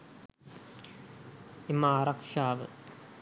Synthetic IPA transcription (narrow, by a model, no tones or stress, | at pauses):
imaːɾakʂaːʋə̰